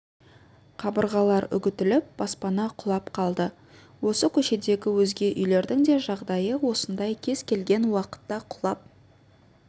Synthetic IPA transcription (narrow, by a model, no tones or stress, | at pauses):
qʰɑbəɾʁɑlˠɑɾʏ̰ɡʲɪt̪ɪlɪp̚b̥ɑspɑnɑqʰʊlˠɑpqʰɑlˠd̪ə | wo̞səkʲʰɵʃe̞d̪e̞ɡʲɪwɵzɡʲe̞ʔʏjle̞ɾd̪ɪŋd̪e̞ʒɑʁd̪ɑjəwo̞sənd̪ɑjkʲʰe̞z̥kʲʰe̞lɡʲe̞nwɑqə̥t̪ːɑqʰʊ̥lˠɑp̚